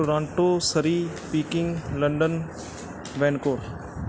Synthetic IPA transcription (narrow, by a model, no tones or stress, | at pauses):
ɾãːɳʈoːsəɾipiːkɪ̃ŋɡləɳɖən | ʋẽːnkoːɾ